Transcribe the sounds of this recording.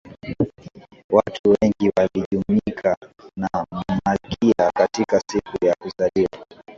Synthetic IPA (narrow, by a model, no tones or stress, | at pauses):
watʰuwɛŋɡiwaliʄumikʰanam̩akʰiakatikasikujakuzalia̰